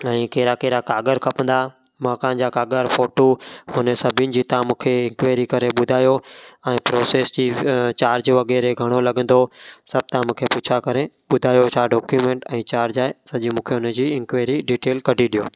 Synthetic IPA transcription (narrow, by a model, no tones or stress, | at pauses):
ɛ̃ːkeːɾakeːɾakaːɡəɾkʰɐpə̃nd̪a | mãːkãːnd͡ʑaːkaːɡəɾfoːʈoɦʊnəsɐbʱiɪnɪ̆d͡ʑiːt̪aːmũkʰeɪ̃ŋkʋeːɾikɐɾeɓʊd̪ʱaːjoɛ̃ːpɾoːseːsd͡ʑiːt͡ɕaːɾd͡ʑʋɐɡɛːɾeɡʱɐɽ̃olɐɠə̃nd̪osɐb̚ʱt̪ãmũːkʰeput͡ɕʰakɐɾe | ɓʊd̪ʱaːjot͡ɕʰaɖɔːkjumẽːɳʈɛ̃ːt͡ɕaːɾd͡ʑaːesɐʄimũːkʰeʊnəd͡ʑiːɪ̃ŋkʋeːɾiɖiːʈeːlkɐɖʱiɗijo̰ː